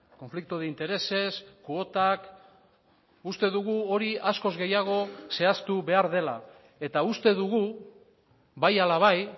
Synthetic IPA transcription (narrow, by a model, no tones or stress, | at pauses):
ko̞ɱflik̚t̪oðeint̪e̞ɾe̞se̞skuo̞t̪ak | ust̪e̞ðuɣ̞uo̞ɾiasko̞zɣe̞jaɣ̞o̞se̞ast̪uβe̞aɾðe̞la | e̞t̪aust̪e̞ðuɣu | βajalaβ̞aj